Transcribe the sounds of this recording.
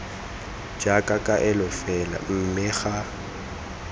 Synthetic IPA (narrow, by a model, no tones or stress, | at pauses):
d͡ʒakʼakʼaʔɪlʊfɛla̰m̩mɪɣa